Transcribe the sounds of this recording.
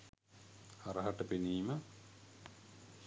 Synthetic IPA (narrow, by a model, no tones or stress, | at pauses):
ɐrɐɦɐʈːɐpiniːmɐ